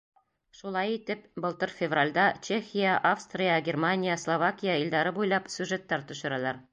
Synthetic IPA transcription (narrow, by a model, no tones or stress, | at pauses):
ʃulˠɑjit̪ɘpbɤ̆lˠt̪ɤɾfʲɪvralʲd̪ɑt͡ɕexʲijaʔafst̪rʲɪjaɡʲermanʲijaslˠovakʲijaild̪ɑɾɤbujlˠɑpsʲʉʐet̪ːæɾt̪ɵ̆ʃɤ̆ɾɑlˠɑɾ